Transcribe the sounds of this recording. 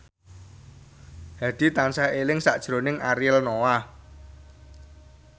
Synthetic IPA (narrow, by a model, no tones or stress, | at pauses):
d̥a̤d̪̥i̤t̪ansaelɪŋsa̰ʔd̥ʒ̥ɾo̤nɪŋaɾiəlnowa